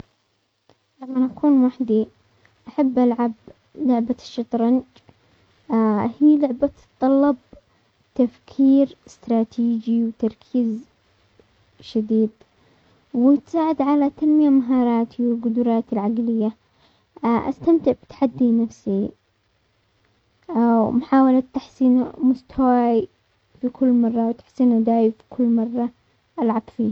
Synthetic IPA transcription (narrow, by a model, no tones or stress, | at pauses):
lamːanʔakʰuːnwaħd̪i | ʔaħabːʔalʕab | lʊʕbaʃːɑt̪ˤɾˤɑnd͡ʒ | hiːlʊʕba | t̪ˤːɑlːɑb̚ | t̪afkʰiːɾɪst̪ɾˤɑːt̪ʰiːd͡ʒiwt̪ɑɾˤkʰiːz | ʃad̪iːd̪ | wɪt̪saːʕɪd̪ʕalat̪anmɪjamaɦɑːɾˤɑːt̪ʰiwɪlɡʊd̪ʊɾˤɑːt̪ɪlʕaɡlɪjːa | ʔa̰st̪amt̪ɪʕbɪ̥t̪ħad̪ːinafsi | mʊħaːwalat̪ːaħsiːnmʊst̪ʰawaːi | fikʰʊlːmɑrˤːɑwt̪ḁħsiːnad̪aːjfi̥kʰʊlːmɑrˤːɑ | ʔalʕab̥fiːha